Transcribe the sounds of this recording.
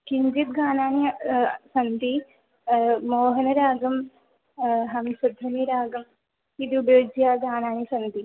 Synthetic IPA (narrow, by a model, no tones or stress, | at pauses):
kiɲd͡ʒit̪̚ɡaːnaːnisɐnt̪i | moːɦɐnɐɾaːɡɐm | ɦɐmsid̪ʱːɐniɾaːɡɐm | id̪ubeːd͡ʒjaːɡaːnaːnisɐnt̪i